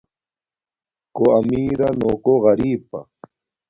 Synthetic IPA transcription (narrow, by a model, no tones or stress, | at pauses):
koamiːɾanokoɣɑɾiːpa̰